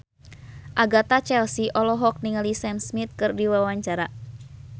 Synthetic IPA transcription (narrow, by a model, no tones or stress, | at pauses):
ʔaɡat̪at͡ʃɛlsiʔɔlɔɦɔk̚niŋalisɛmsmit̪̚kɨrdiwawaɲt͡ʃaɾa